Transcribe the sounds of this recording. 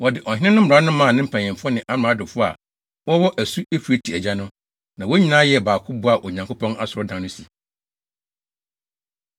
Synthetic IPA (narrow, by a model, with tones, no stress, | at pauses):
wɔ˨dɪ˨ʔɔ˨hɪ˦nɪ̃˦nʊ̃˦m̩˦˨ɾa˦nʊ̃˦mã˦˨nɪ̃˦m̩˦pʰã˨ɲ˨ɪ̃˨m˨fʊ˦ɔ˦nɪ̃˨ʔa˦m˨ã˨˦dʊ˨fʊ˦a̰˨ | wɔ˦wɔ˦ʔæ˨su˦e˦fu˨e˦tʰi˨æ˨d͡ʑa˦nʊ̃˦ | nã˨wo˦ɲĩ˦nãː˦jɛ˨˦˨baː˨kʰʊ˦bʊ˦a˨ʔo˨ɲã˨ŋkʰʊ˦pʰɔ̃˦na˦sʊ˨ɾɔ˦dã˨nʊ̃˦si˨